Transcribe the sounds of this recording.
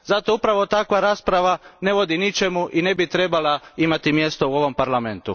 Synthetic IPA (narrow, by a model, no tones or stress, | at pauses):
zat̪o̞upɾaʋot̪akʋaɾaːspɾaʋane̞ʋo̞d̪init͡ʃe̞muʔine̞bit̪ɾe̞balaimat̪imje̞st̪o̞uo̞ʋo̞mpaɾlame̞nt̪ṵ